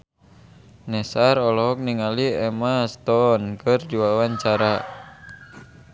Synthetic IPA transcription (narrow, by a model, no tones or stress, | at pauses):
nɛsaɾɔlɔɦɔk̚niŋaliɛmast̪ɔnkɨrdiwawaɲt͡ʃaɾa